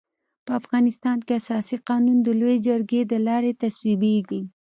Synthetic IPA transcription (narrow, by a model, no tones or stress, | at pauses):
pəafɣɑnɪst̪ɑnkeasɑsiqɑnund̪əlojed͡ʒəɾɡed̪əlɑɾet̪aswibeɡi